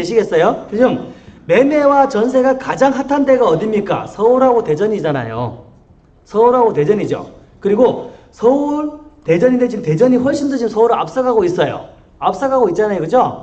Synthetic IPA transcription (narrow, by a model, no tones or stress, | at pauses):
eɕʰiɡe̞ts͈ʌjot͡ɕiɡɯmme̞me̞wat͡ɕʌns̬ʰe̞ɡakad͡ʑaŋɦatʰande̞ɡaʌdimɲik͈a̰sʰʌuɾɦaɡote̞d͡ʑʌɲid͡ʑana̰jo̰ | sʰʌuɾɦaɡote̞d͡ʑʌɲid͡ʑo̰ | kɯɾiɡosʰʌuɭte̞d͡ʑʌɲindet͡ɕiɡɯmte̞d͡ʑʌɲiɸwʌɭɕ͈ʰindot͡ɕimsʰʌuɾɯɭa̰p̚s͈ʌɡaɡois͈ʌjo̰ | ap̚s͈aɡaɡoit̚t͡ɕ͈anajokɯd͡ʑo